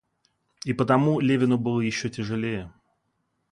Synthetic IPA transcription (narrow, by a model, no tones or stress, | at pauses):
ipət̪ɐmulʲevʲɪnʊbɨlˠəjɪɕːotʲɪʐɨlʲejə